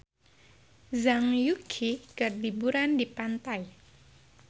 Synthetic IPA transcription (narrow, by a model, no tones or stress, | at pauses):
zaŋjukʰiɡ̥ərdibuɾandipant̪aj